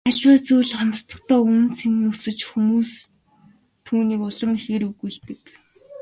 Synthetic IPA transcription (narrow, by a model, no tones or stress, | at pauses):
æɮʲwaːt͡suːɮχamə̆rst̪ə̆t̪ɔːunt͡sʰennɵsɘ̆t͡ɕxumuːs | t̪ʰuːniːkʊɮə̆mxeɾuɣujɮt̪ɘ̆k